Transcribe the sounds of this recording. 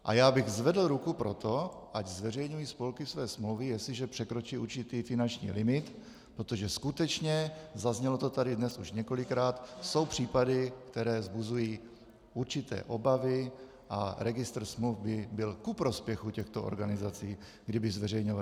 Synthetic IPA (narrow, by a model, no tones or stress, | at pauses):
ʔa̰jaːbɪɣzvɛdl̩ɾukupɾo̞t̪o̞ʔaɟzvɛrɛjɲujispo̞lkɪfsvɛːsmluwvɛjɛslɪʒɛpr̥ɛkɾo̞t͡ʃiːʔuɾt͡ʃɪt̪iːfɪnant͡ʃɲḭːlɪmɪt̪ | pɾot̪o̞ʒɛskut̪ɛt͡ʃɲɛzazɲɛlo̞t̪o̞t̪adɪdnɛsuʃɲɛko̞lɪkɾaːt̪so̞wpr̝̥iːpadɪkt̪ɛɾɛːzbuzujiː | uɾt͡ʃɪt̪ɛ̰ːʔo̞bavɪ | ʔa̰ɾɛɡɪst̪r̩smlufbɪbɪlkupɾo̞spjɛxucɛxt̪oʔo̰ɾɡanɪzat͡siː | ɡdɪbɪzvɛrɛjɲova